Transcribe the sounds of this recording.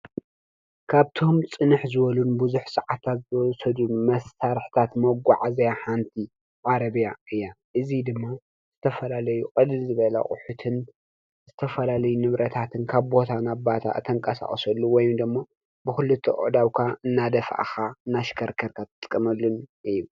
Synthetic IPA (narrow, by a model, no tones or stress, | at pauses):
kʰaβt̪ʰo̞mt͡sʼɨnɨħzɨβɐlunbuzuħsɐʕat̪ʰat̪zɨɔsɐd̪unmɐsːʰaɾħt̪ʰat̪mɐɡʷaʕazɐjaħant̪ʰi | ʕaɾɐβjaɨjːaʔɨzid̪ɨmːa | z̥ɨt̪ʰɐfɐlalɐjukʼɐd̪ɨlzɨβɐlɐ̰kʼʊ̰ħut̪ʰɨn | zɨt̪ʰɐfɐlalɐjunɨβɾɐt̪ʰat̪ʰɨnkʰaβbo̞t̪ʰanabat̪ʰa̰ɨt̪ʰɐŋkʼɐsa̰χʼsɐlːuwɔjumd̪ɨmːa | bɨxɨlɨt̪ʰːɐʔʼʊ̰ʕd̪awkʰaɨnːad̪ɐfʔa̰xaɨnːaʃɪ̥kʰɐɾkʰɐɾkʰat̪ʰɨ̥t̪ʼkʼːɐmɐlːunʔɨjːu